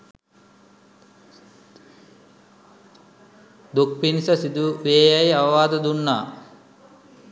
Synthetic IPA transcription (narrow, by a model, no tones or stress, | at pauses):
d̪uk̚pinsəsid̪uʋeːjajaʋɐʋaːd̪əd̪unːaː